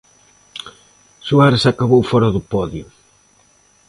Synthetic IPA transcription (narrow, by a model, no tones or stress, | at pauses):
suaɾesakaβowfɔɾaðʊpɔðjʊ